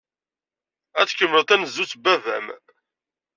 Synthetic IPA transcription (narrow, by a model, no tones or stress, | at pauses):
æt͡skːəmlət̪ænəzːut͡sbævæ̰m